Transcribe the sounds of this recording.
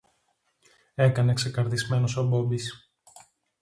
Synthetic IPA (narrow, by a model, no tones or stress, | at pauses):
e̞kɐne̞kse̞kɐɾðizme̞nosobo̞bis